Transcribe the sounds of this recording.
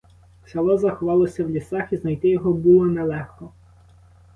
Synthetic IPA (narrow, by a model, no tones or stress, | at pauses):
sʲɐlˠɔzɐxɔʋɑlˠɔsʲɐwlʲisɑxiznɐjt̪ɪjɔɦɔbulˠɔnɛlˠɛxkɔ